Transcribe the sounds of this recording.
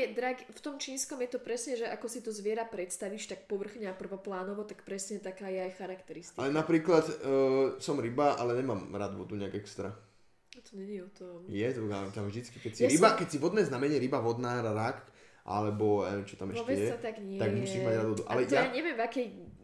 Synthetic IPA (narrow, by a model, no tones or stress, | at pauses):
ɛd̪ɾaɡft̪ɔmt͡ʃiːnskɔmjɛt̪ɔpɾɛsɲɛʒɛʔakɔsit̪ɔzʋɪɛɾapɾɛt̪st̪aʋiːʃt̪ak̚pɔʋr̩xɲɛapr̩ʋɔplaːnɔʋɔt̪akpɾɛsɲɛt̪akaːjɛajxaɾakt̪ɛɾist̪ialɛnapɾiːklat̪ː | sɔmɾibaʔa̰lɛɲɛmaːmɾa̰ːd̪ʋɔ̰d̪uɲɛaɡɛkst̪ɾa | at̪ɔɲɛɟɪɛɔt̪ɔmjɛt̪at̪amvʒd̪it͡skikɛcsiɾibakɛcsiʋɔd̪nɛznamɛɲɛɾibaʋɔd̪naːɾːak | ʔa̰lɛbɔɛ̰t͡ʃɔt̪amɛʃɔʋɛɛjɛat̪aɡɲɪɛt̪aɡmusiːʒmaɟɾaːd̪ʋɔd̪uʔa̰lɛaaɲɛʋɪɛmvakɛj